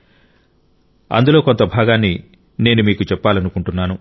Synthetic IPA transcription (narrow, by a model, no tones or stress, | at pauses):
ɐ̰nd̪ulo̞ːko̞nt̪ɐbʱaːɡaːnːi | ne̞ːnumiːkut͡ʃɛpːaːlɐnukuɳʈunːaːnu